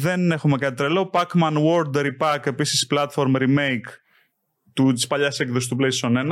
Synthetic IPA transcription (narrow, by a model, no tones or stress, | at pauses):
ðe̞ne̞xumekɐt̪et̪ɾelo̞pɐkmɐnwoɾd̪ɾipɐke̞pisi̥splɐt̪fo̞ɾmɾime̞jk | t̪ut̪i̥spɐʎɐsekðosist̪upleisonen